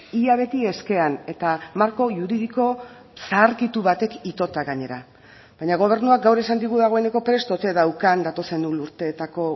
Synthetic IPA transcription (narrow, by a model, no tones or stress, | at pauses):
iaβ̞e̞t̪ie̞ske̞ane̞t̪amaɾko̞ʝuɾið̞iko̞ | saːɾkit̪uβat̪e̞kit̪o̞t̪aɣaɲe̞ɾa | bajɲaɣ̞o̞β̞e̞ɾnuak̚ɡawɾesand̪iɣuðaɣ̞o̞e̞ne̞ko̞pɾe̞st̪o̞t̪e̞ðawkand̪at̪o̞se̞nd̪uluɾt̪et̪ako̞